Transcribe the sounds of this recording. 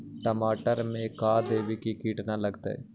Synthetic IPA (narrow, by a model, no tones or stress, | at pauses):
ʈəmaːʈəɾmẽkaːd̪eːʋikikiːʈnaləɡt̪a̰ɦɛ̰ː